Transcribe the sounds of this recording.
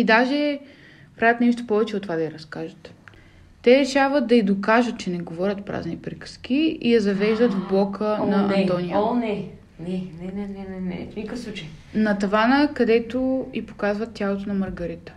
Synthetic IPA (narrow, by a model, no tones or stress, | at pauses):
id̪aʒɛ | pɾavʲət̪nɛʃ̬t̪o̥pɔvɛt͡ʃɛot̪ːovad̪ɐiɾɐskaʒət̪ː | ɛɾɛʃavəd̪̚d̪ɐid̪okaʒət̪̚t͡ʃɛnɛɡovɔɾʲət̪pɾa̰znipɾikə̥sk̟iijɐzɐvɛʒd̪ət̪vblˠɔkʰənɐnʔ̪ɐ̃nt̪ɔnijənɛ | nɛnɛnɛnɛnɛnɛ̰nikəfsˠut͡ʃəjnɐt̪ɐvanəkɐd̪ɛt̪oipo̥kazvət̪ʲːjalˠot̪onɐmɐɾɡɐɾit̪ə̥